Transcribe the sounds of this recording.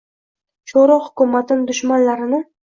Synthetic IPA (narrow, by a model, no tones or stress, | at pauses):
t͡ʃʰoɾɒhʊ̥kʲʊmːat̪ʰɪnd̪ʊʃmanlaɾɪnɪ